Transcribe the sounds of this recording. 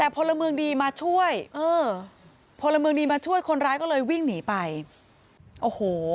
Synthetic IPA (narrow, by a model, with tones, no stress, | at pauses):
t̪ɛː˨˩pʰo˧nla˧mɯ˧əŋdiː˧maː˧t͡ɕʰu˥˩əjʔɤː˧˩ | pʰo˧nla˧mɯ˧əŋdiː˧maː˧t͡ɕʰu˥˩əjkʰo˧nɾaː˦˥jkɔː˥˩lɤː˧jwi˥˩ŋniː˩˦pa˧j | ʔoː˧˩hoː˩˦